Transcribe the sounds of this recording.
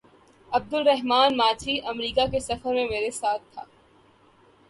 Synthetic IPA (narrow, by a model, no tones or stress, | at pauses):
ɐb̚d̪ʊlɾɛɦmaːnmaːt͡ʃʰiʔɐmɾiːkakesɐfəɾmẽmeːɾesaːt̪ʰːa̰ː